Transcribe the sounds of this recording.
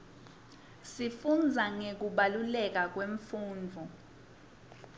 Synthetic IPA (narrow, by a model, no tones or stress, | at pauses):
sifund͡zʱaŋek̬uɓalulɛk̬ak̬weɱfuːnd͡vʱɔ